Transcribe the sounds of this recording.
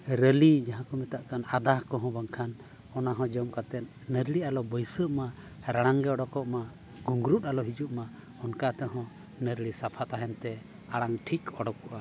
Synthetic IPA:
ɾəlid͡ʒaɦãkɔmɛt̪aʔkanad̪ahkɔɦɔ̃baŋkʰan | ɔnaɦɔ̃d͡ʒɔmkat̪ɛt̪ | nəɾɽialɔbəjsəʔma | ɾaɽ̃aŋɡɛɔɽɔkɔʔma | ɡuŋɡɾut̪alɔɦid͡ʒuʔma | ɔnkat̪ɛɦɔ̃ | nəɾɽisapʰat̪aɦɛnt̪ɛ | aɽaŋʈʰikɔɽɔkɔʔa

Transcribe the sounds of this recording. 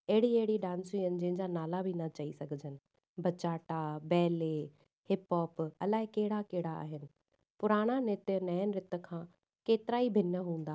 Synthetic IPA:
ɐɦɪɽiɐɦɪɽiɗãːnsiənɪ̆d͡ʑɐ̃ɦɪ̃ɲd͡ʑanaːlabʱinɐt͡ɕɐisɐɡʱɪd͡ʑənɪ̆ | bʱɐt͡ɕaːʈabɛːle | hɪpɔːpɐlaːɦɪkɐɦɪɽakɐɦɪɽaa̰ːɦɪnɪ̆ | pʊɾaːɽ̃anɪt̪ənɐjənɪ̆ɾɪt̪ə̆kʰãː | keːt̪ɪɾaːibʱɪnəɦũːnd̪aː

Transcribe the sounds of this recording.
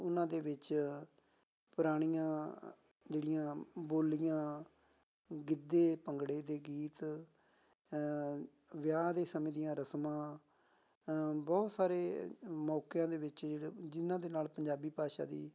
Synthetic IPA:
ʊnãːd̪eːʋɪt͡ʃ | pʊɾaːɽ̃ijãː | d͡ʒeːɽɪjãːboːlɪjãː | ɡɪd̪ːeːpəŋɡɽeːd̪eːɡiːt̪ | ʋɪjaːd̪eːsəmẽːd̪ijãːɾəsmãː | bɔːt̪saːɾeːmɔːkjãːd̪eːʋɪt͡ʃːd͡ʒɪnãːd̪eːnaːlpəɲd͡ʒaːbiːpaːʃa̰ːd̪ḭː

